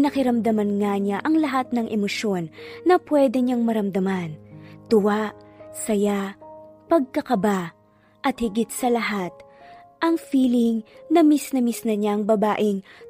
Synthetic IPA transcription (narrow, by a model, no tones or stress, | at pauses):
nɐkɪɾɐmd̪ɐmɐnŋaɲaʔɐŋlɐɦat̪̚nɐŋʔɛmoʃjo̞nːɐpwɛd̪ɛɲaŋmɐɾɐmd̪ɐmant̪ʊwaʔsɐjaʔpɐɡ̚kɐkɐba | ʔɐt̪̚hɪɡɪt̪̚sɐlɐɦat̪̚ʔɐŋfiːlɪŋnɐmisnɐmisnɐɲaɐŋbɐbaːʔɪŋ